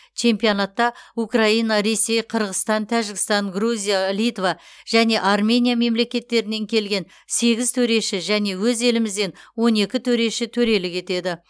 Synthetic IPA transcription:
t͡ʃʰe̞mpijonɑt̪ːɑukraijnɑɾe̞se̞jqʰəɾʁəst̪ɑnt̪ʰæʒɪɡʲɪst̪ɑŋɡruzʲijalijt̪vɑ | ʒ̥æne̞ʔarmʲe̞nʲijame̞mle̞kʲe̞t̪ːe̞ɾɪne̞ŋkʲʰe̞lɡʲe̞n | se̞ɡʲɪzt̪ʰɵɾe̞ʃɪʒæne̞wɵze̞lɪmɪzd̪e̞nwo̞ne̞kʲɪt̪ʰɵɾe̞ʃɪt̪ʰɵɾe̞lɪkʲʰe̞t̪e̞d̪ɪ

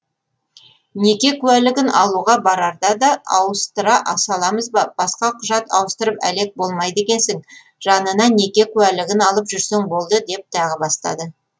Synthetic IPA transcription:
ne̞kʲe̞kʲʰʉælɪɡʲɪnɑlˠuʁɑbɑɾɑɾd̪ɑd̪ɑɑwəst̪əɾɑʔɑsɑlˠɑməzbɑb̥ɑsqɑqʰʊʒɑt̪ɑ̰wəst̪əɾəpæ̰le̞k̚bo̞lˠmɑjd̪e̞kʲe̞nsɪŋ | ʒɑnənɑne̞kʲe̞kʲʰʉælɪɡʲɪnɑlˠəpʒʏɾse̞ŋbo̞lˠd̪əd̪e̞p̚t̪ʰɑʁəbɑst̪ɑ̰d̪ə

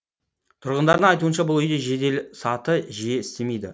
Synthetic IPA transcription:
t̪ʰʊɾʁənd̪ɑɾd̪əɴɑjt̪uənʃɑbʊlˠʏjd̪e̞ʒe̞d̪e̞lsɑt̪əʒije̞ɪst̪e̞me̞jd̪ɪ̰

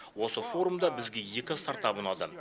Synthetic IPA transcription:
wo̞səfo̞ɾumd̪ɑbɪzɡʲe̞je̞kʲɪst̪ɑɾt̪ɑpʊnɑd̪ə

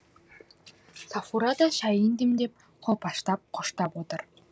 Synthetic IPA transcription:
safuɾad̪ɑʃɑjind̪ĭmd̪ep̚ | qʰopɑʃt̪ɑp̚qʰoʃt̪ɑpot̪ɤ̆r

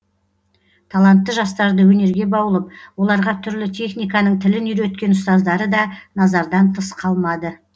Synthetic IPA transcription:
t̪ʰɑlˠɑnt̪ːəʒɑst̪ɑɾd̪əwɵne̞ɾɡʲe̞bɑwəlˠəp̚wo̞lˠɑɾʁɑt̪ʰʏɾlɪt̪ʲʰe̞χnijkɑnəɴt̪ʰɪlɪnijɾet̪̚kʲe̞nʊst̪ɑzd̪ɑɾəd̪ɑnɑzɑɾd̪ɑnt̪ʰəsqʰɑlˠmɑd̪ə

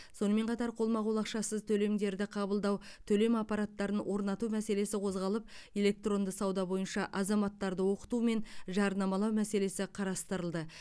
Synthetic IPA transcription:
so̞nəme̞ɴqʰɑt̪ɑɾqʰo̞lˠmɑʁolˠɑqʃɑsəzt̪ʰɵle̞md̪e̞ɾd̪ɪqʰɑbəlˠd̪ɑwt̪ʰɵle̞mɑpːɑɾɑt̪ːɑɾənwʔo̞ɾnɑt̪umæse̞le̞sɪqʰo̞zʁɑlˠəp̚e̞le̞k̚t̪ro̞nd̪əsɑwd̪ɑbo̞jənʃɑʔɑzɑmɑt̪ːɑɾd̪əwo̞qə̥t̪ume̞nʒɑɾnɑmɑlˠɑwmæse̞le̞sɪqʰɑɾɑst̪əɾəlˠd̪ə

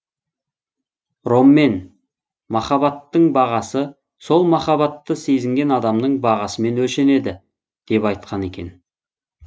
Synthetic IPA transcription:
ɾo̞mːe̞n | mɑχɑbɑt̪ːəɴbɑʁɑsə | so̞lˠmɑχɑβɑt̪ːəse̞jzɪŋɡʲe̞nɑd̪ɑmd̪əɴbɑʁɑsəme̞nwɵlʃe̞ne̞d̪ɪ | d̪̥e̞pɑjt̪̚qɑne̞kʲe̞̰n

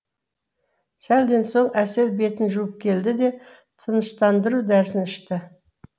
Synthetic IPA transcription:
sæld̪e̞nso̞ɴæse̞lbe̞t̪ɪnʒuəp̚kʲʰe̞ld̪ɪd̪e̞ | t̪ʰənəʃt̪ɑnd̪əɾud̪æɾsɪnɪʃt̪ɪ

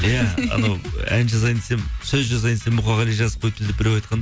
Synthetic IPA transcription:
jæɑ̰nnɑwænʒɑzɑjnsemsɵzʒɑzɑjnsemʊχɑʁɑlijʒɑzəqʰojt̪̚ʰɪld̪ɪpbɪɾewɑjt̪qɑnd̪

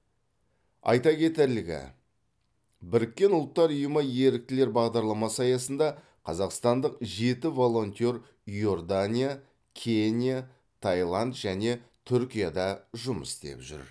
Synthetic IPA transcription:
ɑ̰jt̪ɑkʲe̞t̪eɾlɪɡʲɪ̰ | bɪɾɪkʲːe̞nʊlˠt̪ːɑɾʊjəməje̞ɾɪk̚t̪ɪle̞ɾbɑʁd̪ɑɾlˠɑmɑsɑjɑsənd̪ɑ | qʰɑzɑqst̪ɑnd̪əqʒe̞t̪ɪvo̞lˠo̞nʲt̪ʲo̞ɾ | jo̞rd̪anʲija | kʲʰenʲija | t̪ʰajlˠɑnd̪ʒ̥æne̞t̪ʰʏɾkʲijad̪ɑʒʊmə̰sd̪e̞̰pʒʏ̰ɾ

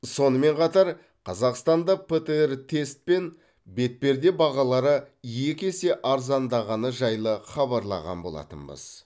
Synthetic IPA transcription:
so̞nəme̞ɴqʰɑt̪ɑɾ | qʰɑzɑqst̪ɑnd̪ɑpʰet̪əert̪ʰe̞st̪̚pe̞n | be̞t̪̚pe̞ɾd̪e̞bɑʁɑlˠɑɾə | je̞kʲe̞se̞ʔɑɾzɑnd̪ɑʁɑnəʒɑjlˠəχɑbɑɾlˠɑ̰ʁɑ̰nbo̞lˠɑ̰t̪ə̰nbə̰z̥

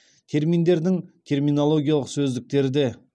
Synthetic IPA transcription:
t̪ʰe̞ɾmijnd̪e̞ɾd̪ɪŋt̪ʲʰe̞rmijnolˠo̞ɡʲijalˠəqsɵzd̪ɪk̚t̪e̞ɾd̪e

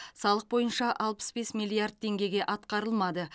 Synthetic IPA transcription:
sɑlˠəq̚bo̞jənʃɑʔɑlˠpə̥sbe̞smilːˠijard̪̚t̪ʰe̞ŋɡʲe̞ɡʲe̞ʔɑt̪qɑɾəlˠmɑd̪ə

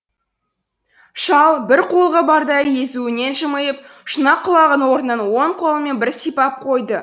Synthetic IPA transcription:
ʃɑlˠbɪɾqʰolˠʁəbɑɾd̪ɑjəjezuɪne̞nʒəməjəp̚ | ʃənɑqʰːʊlˠɑʁənwo̞ɾənːɑnwo̞ɴqʰo̞lˠəme̞nbɪɾsijpɑp̚qʰo̞jd̪ə

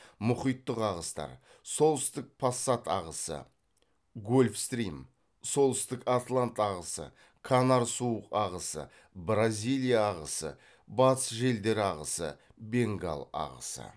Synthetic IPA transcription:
mʊχijt̪ːəqɑʁəst̪ɑ̰ɾ | so̞lˠsɪst̪ɪk̚pʰasːat̪ɑʁəsə̰ | ɡolʲfst̪ɾijm | so̞lˠɪst̪ɪkat̪lˠant̪ɑʁəsə̰ | kʰanaɾsuwəqɑʁəsə̰ | bɾazʲijlˠijaːʁəsə̰ | bɑt̪sʒe̞ld̪e̞ɾɑʁəsə̰ | be̞ŋɡa̰lˠɑ̰ʁə̰sə̰

